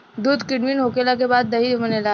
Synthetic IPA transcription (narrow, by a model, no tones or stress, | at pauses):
d̪uːd̪kɪɽʋinɦokelak̬ebad̪ːəɦimənela